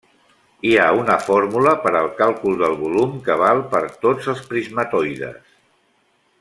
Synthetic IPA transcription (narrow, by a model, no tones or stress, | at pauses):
iaunəfoɾmuləpəɾəlˠkalˠkulˠd̪əlˠβulumkəβ̞alˠpəɾt̪od͡zəlˠspɾizmət̪ɔjðə̰s